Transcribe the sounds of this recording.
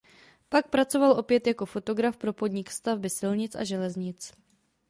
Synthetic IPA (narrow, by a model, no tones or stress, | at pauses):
pak̚pɾat͡so̞valʔo̞pjɛt̪jako̞fo̞t̪o̞ɡɾafpɾo̞po̞d̪ɲɪkst̪avbɪsɪlɲɪt͡sʔa̰ʒɛlɛzɲɪt͡s